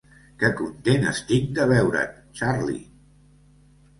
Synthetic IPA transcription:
kəkunt̪enə̰st̪ik̚d̪əβɛwɾə̰ | t͡ʃaɾlḭ

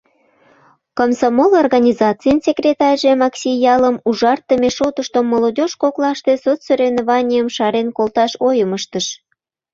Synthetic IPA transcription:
komsɑmolorɣɑnʲizɑtt͡sɨjənsʲekrʲet̪ɑrʲʒemɑksʲijɑləmuʒɑrt̪ːəmeʃot̪əʃt̪omːolod̪ʲoʃkoklɑʃt̪e̽sot͡ssøɾʲenovɑnʲijəmʃɑɾenkolt̪ɑʃojəməʃt̪əʃ

